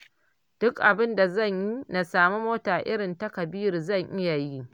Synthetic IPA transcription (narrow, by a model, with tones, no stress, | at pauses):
d̥ʊ˦kʔa˨bɪ˦nda˨zɐ˦˨ɲji˦na˨saː˨mu˦moː˦taː˨ʔɪ˦ɽɪ˨nta˦kɐ˨biː˦ɾzɐ˦˨ŋʔɪ˦ja˨ji˦